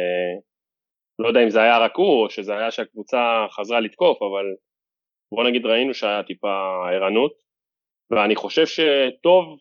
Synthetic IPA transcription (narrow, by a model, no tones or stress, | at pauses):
e | lojd̪eaimzeajaʁakuoʃe̞zeajaʃeakvut͡saχazʁalit̪ko̞faval | bo̞naɡid̪ʁainuʃeajat̪ipaeʁanut | veaniχo̞ʃe̞vʃe̞t̪o̞v